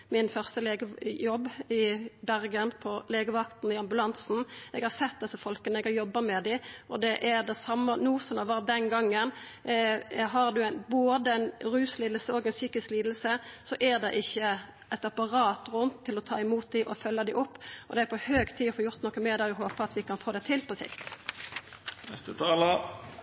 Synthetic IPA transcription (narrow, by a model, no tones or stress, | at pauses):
mɪnfœʁst̪əleːɡəjɔbːɪbæʁɡənpʰɔleːɡəʋɑkt̪n̩ɪɑmbʉlɑnsn̩ɛɡhɑʁsɛt̪̚d̪ɛsːəfɔlkənəɛɡɑjɔbːɑmɛd̪ɪʔɔd̪ɛʔæɾd̪ɛsɑmːənuːsɔnɑʋɑːʁ̚d̪ɛnɡɑŋːən | ɦɑʁd̪ʉænboːd̪əɛɪnʁʉːsliːd̪l̩səoːɡɛɪnsyːkɪskliːd̪l̩səsɔʔæʁd̪ɛʔɪçːə | ɛt̪ɑpɑʁɑːt̪ʁʊnt̪ʰːɪlɔt̪ʰɑ̰ːɪmuːt̪̚d̪ɪʔɔfœlːəd̪ɪʔʊpːɔd̪ɛæɾpʰɔhøːɡt̪ʰiːɔfoːjʊʁt̪nɔkːəmeːd̪ɛʊɦoːpəɑt̪ʋɪkɑnfoːd̪ɛt̪ʰɪlpʰɔsɪ̰kt̪ | nɛ̰st̪ət̪ʰɑːlɑ